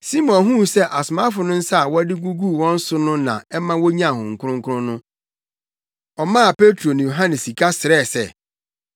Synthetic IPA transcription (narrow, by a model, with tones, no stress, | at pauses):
si˦mɔ̃˨nɦũ˦sɛ˦ʔa˨sʊ˨mã˦fʊ˨nʊ̃˦n̩˦sa˦a˨wɔ˦dɪ˦ɡu˦ɡu˦˨wɔ̃˦n̩˦sʊ˦nʊ̃˦nã̰˨ɛ˦mã˦wɔ˦ɲã˦˨hʊ̃˨ŋ̩˨kʰʊ˦ʊ̃˦ŋkʰʊ˦ʊ̃˦nʊ̃˦ | ɔ˨mã˦a˨pe˦tʰɾo˨nã˨jo˨ɦã˦nɛ˨si˨kʰa˦sɪ˨ɾɛ˦˨sɛ̰˦